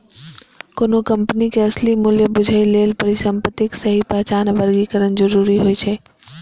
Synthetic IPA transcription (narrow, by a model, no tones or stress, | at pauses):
koːnokəmpənikeəslimuljebʊd͡ʒʱəilelpəɾisəmpət̪ːɪksəɦipəɦt͡ʃanbəɾɡikəɾənd͡ʒəɾuɾiɦojt͡ʃʰɛ